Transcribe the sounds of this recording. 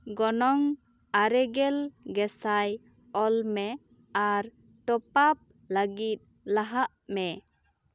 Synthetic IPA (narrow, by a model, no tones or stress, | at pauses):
ɡɔnɔŋ | aɾɛɡɛlɡɛsaj | ɔlmɛ | aɾ | ʈɔpap̚ | ləɡit̪̚ | laɦaʔmɛ